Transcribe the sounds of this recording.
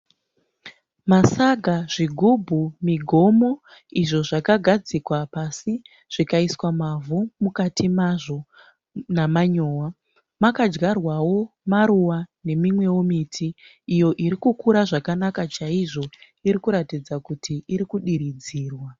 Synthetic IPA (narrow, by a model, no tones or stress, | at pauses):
masaɡʱaʐiɡʱubʱumiɡʱo̞mo | iʐo̞ʐakaɡʱad͡zikwapasi | ʐ̥ikaiswamavumukatimaʐo̞ | namaɲoːwa | makad͡ʒɡarwawo̞maɾuwane̞mimwe̞womitʰiː | jo̞ʔiɾikukuɾaʐakanakat͡ʃaiʐo̞ | iɾikuɾatid͡zakutʰiiɾikuɗiɾid͡ziːrwa